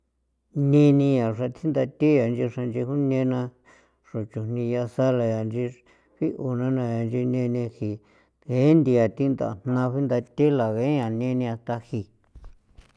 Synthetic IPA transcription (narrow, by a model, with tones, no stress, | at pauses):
nĩ˧nĩ˧ja˨ʂa˧t̪ʰi˦nd̪a˧t̪i˦ja˨˧nd͡ʒi˧ʂa˧nd͡ʒi˧hu˦nẽ˧˦nã˧ | ʂõ˨t͡ʃu˨nĩ˧ja˧sa˦la˧ja˨nd͡ʒi˧ | ɸi˦ʔu˨nã˦nã˧ja˨nd͡ʒi˧nẽ˧nĩ˧hi˨ | ɣe˨˦nd̪i˧a˨t̪i˦nd̪a̰˨n̥nã˧ɸi˦nd̪a˧t̪e˦la˨ɣe˨˦ã˨nẽ˧nĩ˧a˧t̪a˧hi˨